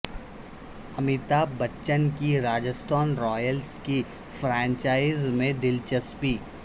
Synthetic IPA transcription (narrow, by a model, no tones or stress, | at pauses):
ɐmɪt̪abɐtːʃənkiɾaːd͡ʒəst̪aːnɾɔːjəlski | fʰɾãːɲt͡ʃaːɪzmẽd̪ɪlt͡ʃəspiː